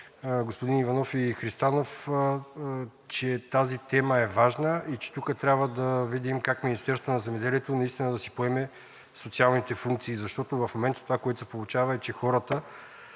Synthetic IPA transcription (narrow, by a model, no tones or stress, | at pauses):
ɡospod̪inivɐnɔfixɾist̪anof | t͡ʃɛt̪azit̪ɛməɛvaʒnəit͡ʃɛ̥t̪ukət̪ɾʲabvəd̪ɐvid̪imkakminist̪ɛɾst̪vənɐzɛmɛd̪ɛliɛt̪onɐist̪inəd̪ɐsipoɛmɛ | sot̪sialˠnit̪ɛfuŋk̚t̪siːzɐʃt̪ɔt̪ovɐfmomɛnt̪ə̥t̪ovakoɛt̪ʊ̥sɛ̥polˠut͡ʃavɐɛt͡ʃɛxɔɾət̪ə